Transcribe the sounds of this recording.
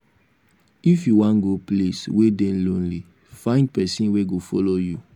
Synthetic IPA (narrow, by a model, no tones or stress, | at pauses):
ifjuwãnɡopleswedẽlõnli | fãɪ̃nd̚pɛsĩnweɡofɔloju